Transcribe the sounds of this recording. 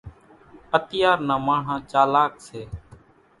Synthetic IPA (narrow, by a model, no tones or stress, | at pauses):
ət̪ɪjaːɾnãːmaːɳ̤ãːt͡ʃaːlaːkseː